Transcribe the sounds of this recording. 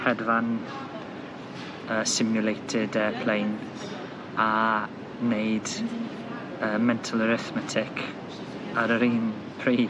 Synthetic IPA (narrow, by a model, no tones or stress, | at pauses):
hɛdvan | əːsɪmjʊlejtʰɪdɛpʰl̥ejn | a | neɨd | əːmɛntʰəlˠəɾɪθmɛtʰɪkʰ | aɾəɾiːn | pʰriː